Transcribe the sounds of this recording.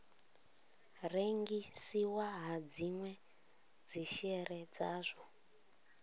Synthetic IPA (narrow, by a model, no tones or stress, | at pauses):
reŋɡisiwaɦad͡zimwɛ | d͡ziʃɛred͡zaːʐo